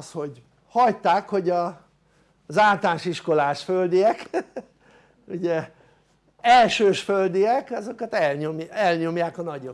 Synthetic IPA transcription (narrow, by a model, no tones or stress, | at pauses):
sho̞ɟ | hɒjt̪aːkho̞ɟɒ | zaːlt̪aːnʃiʃko̞laːʃføld̪ijɛk | uɟɛ | ɛlʃøːʃføld̪ijɛkɒzo̞kɒt̪ɛlɲomjɛlɲo̞mjaːkɒnɒɟo